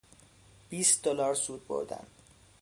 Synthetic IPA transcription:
b̥iːsd̪olɒːɾsuːd̪̚bo̰ɾd̪æ̰n

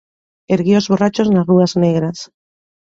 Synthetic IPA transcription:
eɾɣio̞zβo̞rat͡ʃo̞znazruazneɣ̞ɾas

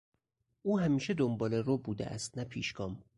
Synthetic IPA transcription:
ʔuːɦæmiːʃed̪ombɒːlerobuːd̪ḛʔæ̰st̪̚næpʰiːʃɡɒːm

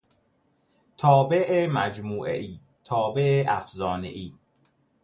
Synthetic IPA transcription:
t̪ʰɒːbeʔemæd͡ʒmuːʔḛʔiː | t̪ʰɒːbeʔeʔæfzɒːnḛʔiː

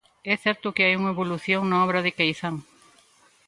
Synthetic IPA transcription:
ɛθɛɾt̪ʊkɪajuŋɐeβoluθjoŋnaɔβɾɐðɪkejθaŋ

